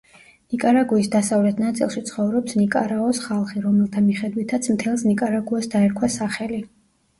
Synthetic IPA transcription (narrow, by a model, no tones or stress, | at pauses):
nikʼaɾaɡuisd̪asavlɛt̪ʰnat̪sʼḭlˠʃit̪sʰχɔvɾɔpsnikʼa̰ɾaɔsχalˠχiɾɔmɛlˠt̪ʰamiχɛd̪wit̪ʰat̪sʰmt̪ʰɛlˠsnikʼaɾaɡuasd̪aɛɾkʰwasaχɛli